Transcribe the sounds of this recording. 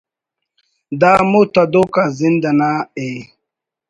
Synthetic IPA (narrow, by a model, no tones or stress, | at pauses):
d̪aːmut̪ad̪okazind̪anae